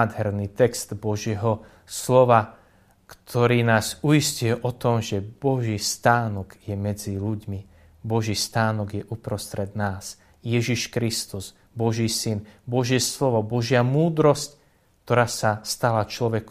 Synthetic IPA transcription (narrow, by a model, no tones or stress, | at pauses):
d̪ɦɛɾnit̪ɛkst̪bɔʒjɛɦɔ | slɔʋa | kt̪ʰɔɾiːnaːzujiscʊjɛʔɔt̪ɔmʒɛbɔʒiːst̪aːnɔɡjɛmɛd͡ziluɟmi | bɔʒiːst̪aːnɔɡjɛʔupɾɔst̪ɾɛd̪naːs | jɛʒiʃkɾist̪uz | bɔʒiːsinbɔʒɪɛslɔʋɔbɔʒɪamuːd̪ɾɔsc | kt̪ɔɾaːsast̪alat͡ʃlɔʋɛk